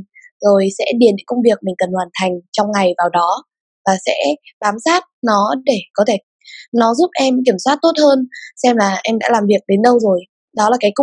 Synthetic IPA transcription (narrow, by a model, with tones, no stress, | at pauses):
zo˨˩jsɛ̰˧˥ɗi˨˩nɗḭ˧˥ŋkə˧ŋ͡mvi˨˩ək̚mï˨˩ŋ̟kə˨˩nhwaː˨˩nt̪ʰa˨˩jŋ̟t͡ɕɔ˧wŋ͡mŋa˨˩jvaː˨˩wɗɔ˨˦ | vaː˨˩sɛ̰˧˥ɓaː˨˦msaː˦˥t̚nɔ˨˦ɗe˧˩kɔ˨˦t̪ʰe˧˩ | nɔ˨˦zu˦˥p̚ʔɛ˧mk̬i˧˩əmswaː˦˥t̚t̪o˦˥t̚həː˧nsɛ˧mlaː˨˩ʔɛ˧mɗa̰ː˧˥laː˨˩mvi˨˩ək̚ɗe˨˦nɗə˧wzo˨˩j | ɗɔ˨˦laː˨˩kaː˨˦jk